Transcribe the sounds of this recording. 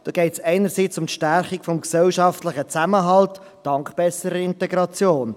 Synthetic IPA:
d̥ɔɡ̥ɛɪtsɛɪnəɾsiːt͡sʊmtʃtærχikfɔmksɛlʃɑftləχət͡sæməɦɑlt | d̥ɑŋkχb̥ɛsəɾəɪntɛɡɾɑt͡sjoːn

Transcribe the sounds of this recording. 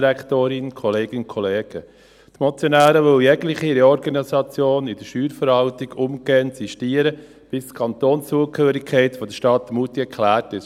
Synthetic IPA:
ɾæktoːɾɪnkʰɔleːɡɪnkʰɔleːɡ̥ə | t̪mɔt͡sjɔnæːɾəʋœljɛɡlɪχiɾeɔɾɡɑnisɑt͡sjoːnɪd̥əɾʃyːɾfəɾʋɑltɪɡʊmɡɛːənsiʃtiːəɾə | b̥ɪstkʰɑnt̪oːnsuəkʰhøːɾɪkʰɛɪtfɔd̥̪əʃtɑtːmutiɛkχlæːtɪ

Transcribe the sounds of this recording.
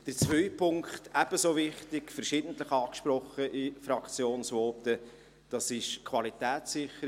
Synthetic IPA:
d̥əɾt͡svœʏpʰʊŋkχtæb̥əsoːvɪχtɪkfəɾʃiːd̥n̩t̪ləχɑːkʃprɔχəʔifɾɑkt͡sjoːnsvɔːtə | d̥ɑsɪʃkʰvɑlitɛːt͡sːɪχəɾ

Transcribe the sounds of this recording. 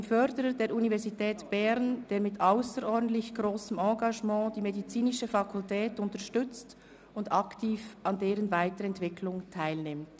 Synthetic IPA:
aɪnfœʁdəɾədeːɾunivɛɾzitʰɛːtb̥ɛʁnd̥eːɐmɪtʰʔaʊsəɾʔɔʁdn̩tlɪçɡ̥ʁoːsəmɑ̃ːɡɑʒmɑ̃ːd̥iːmedit͡siːnɪʃəfɑkʰʊltɛːtʊntəʃtʏt͡st | ʊndɑktʰiːfʔɑndeːʁənvaɪtəɾɛntv̥ɪkʰlʊŋtʰaɪlnɪmt

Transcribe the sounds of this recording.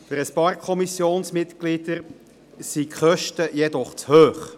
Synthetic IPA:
fəɾəspɑːrkʰɔmisjoːnsmɪt̪ɡ̥lid̪̥əɾ | sikχœʃtəjɛd̪ɔχt͡shøːχ

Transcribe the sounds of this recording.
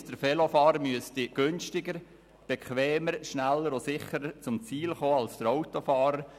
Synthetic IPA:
d̥əɾfɛlofɑːɾəmyəstɪɡ̥ʏnʃtɪɡəɾ | b̥ekχʋɛːməɾʃnælːəɾosɪχəɾət͡sʊmt͡siːlχoːɑlsd̥əɾɔʊtofɑːɾəɾ

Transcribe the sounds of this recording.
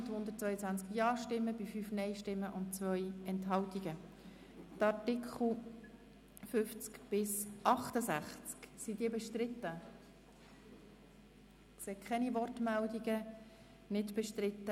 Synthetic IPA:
t̪hʊnd̪əɾt̚t͡svœʏət͡sʋænt͡skjɑːʃtɪmːəbifyfnɛɪʃtɪmːəʔʊnt̚t͡svœʏɛntɦɑltiɡ̥ə | tɑɾtɪkʰl̩ˠ | fʏft͡skb̥ɪsʔɑχt̪əsæχt͡sksidiəbɛʃtɾɪt̪ːə | kseːkʰɛnivɔrtmældiɡə | nɪtb̥ɛʃtɾɪt̪ːə

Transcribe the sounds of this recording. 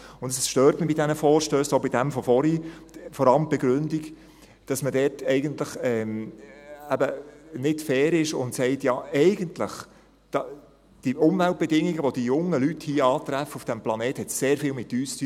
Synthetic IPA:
ʊndəssʃtøːɾtməbidɛnəfɔːɾʃtøːsobidæmfɔfɔɾifɔɾɑləmb̥ɛɡɾʏndik | d̥ɑsmədɛːtɛɪɡəntləχɛːm | æbənɪdfɛːɾɪʃʊ̰ntsɛɪtjɑːɛɪɡəntləχ | d̥ɑ | d̥iʔʊmvælt̚bɛdɪŋːiɡəʋɔd̥ijʊŋːəlythiːəɑːt̪ɾæfəufd̥æmplɑneːthɛtseːɾfiːlmɪtːyːsty

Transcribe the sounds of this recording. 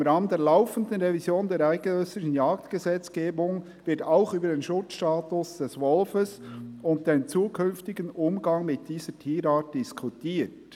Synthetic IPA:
ɪmɾaːməndeːɐlaʊfən̩dən̩ʁevizjoːndeːɾaɪɡənøsɪʃn̩jaːktɡ̥əzɛt͡sɡ̥eːbʊŋ | vɪɾtaʊxyːbədeːnʃʊt͡sʃtaːtʊsd̥ɛsvɔlfəsʊnt̚d̥eːnt͡suːkʰʏnftɪɡənʔʊmɡɑŋmɪt̚d̥iːzətʰiːɾaːt̚d̥ɪskʰutiːt

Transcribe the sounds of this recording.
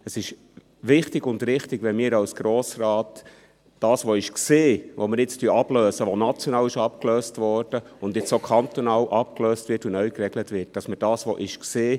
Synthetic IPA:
əsɪʃ | ʋɪχtɪɡʊndɾɪχtɪɡʋɛmiːɾɑwsɡ̥ɾoːsrɑːt | d̥ɑːsʋoɪʃkseːʋomɪɾjɪt͡styɑb̥løːsəʋonɑt͡sjɔnɑːlɪʃɑp̚kløːstʋɔɾd̥əʊndɪt͡sokʰɑnt̪onɑːlʔɑpkløːstvɪtunœɥkrɛɡlətʋɪt̚d̥ɑsməɾd̥ɑːsʋoʔɪʃkseː

